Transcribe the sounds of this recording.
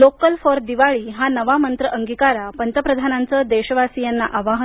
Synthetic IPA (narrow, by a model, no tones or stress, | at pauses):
lokəlfoɾd̪iʋaɭiːɦanəʋamənt̪ɾəʔəŋɡikaɾapənt̪əpɾəd̪ʱanant͡səːd̪eɕəʋasijanːaʔaʋaɦ